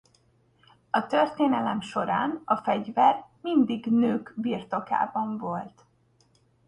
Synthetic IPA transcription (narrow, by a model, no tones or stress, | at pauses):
ɒt̪ørt̪eːnɛlɛmʃo̞ɾa̰ːnɒfɛɟvɛrmind̪iɡnøːkbirt̪o̞ka̰ːbɒɱvo̞lt̪